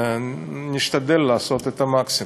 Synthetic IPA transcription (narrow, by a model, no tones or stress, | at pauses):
niʃt̪ad̪e̞lːaːso̞t̪et̪amaksi